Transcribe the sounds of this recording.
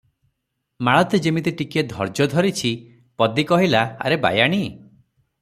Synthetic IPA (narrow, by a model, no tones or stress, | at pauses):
maɭɔt̪ed͡ʒemit̪iʈiked̪ʱɔɾd͡ʒɔd̪ʱɔɾit͡ʃʰi | pɔd̪ikɔɦilaa̰ɾeba̰jaɽ̃i